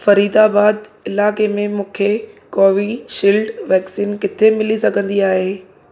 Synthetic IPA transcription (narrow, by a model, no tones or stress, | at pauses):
fɐɾiːd̪aːbaːd̪ɪlaːkemẽmũːkʰekoːʋiʃiːlɖʋɛːksiːnkɪt̪ʰemɪlisɐɡʱə̃nd̪iaːɦeː